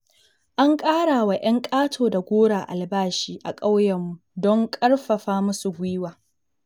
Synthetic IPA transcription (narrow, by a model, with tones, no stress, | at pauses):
ʔa˦ŋkʼaː˦ɽaː˨wa˨ʔɐ˦ŋkʼaː˦tʰoː˨da˨ɡʷoː˦ɽaː˨ʔa̰˨lbaː˦ʃiː˦ʔa˨kʼa˦wjɐ˨mːu˨dɔ˦ŋkʼɐ˦ɽɸɐ˨ɸaː˦mʊ˦su˨ɡʷiː˦waː˨